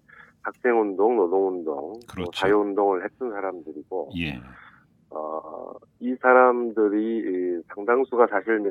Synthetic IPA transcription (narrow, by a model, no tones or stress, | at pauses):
pak̚s͈ʰe̞ŋundoŋnodoŋundo̰ŋkɯosajoundoŋɯɭhe̞t͈ɯnsʰaɾamdɯɾiɡ̥oje | ʌ̰ | isʰaɾamdɯɾiːsʰaŋdaŋsʰuɡataɕʰiɭme